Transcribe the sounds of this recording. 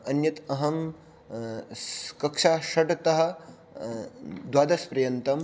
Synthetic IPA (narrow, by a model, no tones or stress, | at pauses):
ɐnjɐt̪ɐɦɐm | kɐkʂaːʃɐʈɐt̪ɐɦɐ̆ | d̪waːd̪ɐspɾɐjɐnt̪ɐm